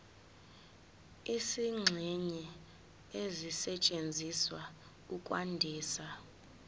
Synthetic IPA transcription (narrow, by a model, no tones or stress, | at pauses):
isiŋ͡ǁʱɛɲɛ | ezisɛt͡ʃʼend͡zʱiswa | ukʼwandʱiːsa